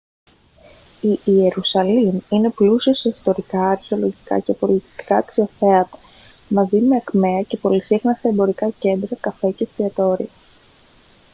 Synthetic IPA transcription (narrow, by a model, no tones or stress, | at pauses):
iːe̞ɾusɐlimine̞plusioseist̪o̞ɾikɐːɾçeo̞lo̞ʝikɐ̰ce̞po̞lit̪i̥st̪i̥kɐːksio̞θe̞ɐt̪ɐ̥ | mɐzime̞ɐkme̞ɐce̞po̞lisixnɐst̪eembo̞ɾikɐce̞nd̪ɾɐkɐfe̞ce̞st̪iɐt̪o̞ɾḭɐ